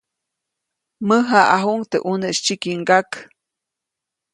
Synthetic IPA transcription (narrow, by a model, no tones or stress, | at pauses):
məɦaʔaɦuŋt̪eʔuneʔʃt͡ʃikiŋɡak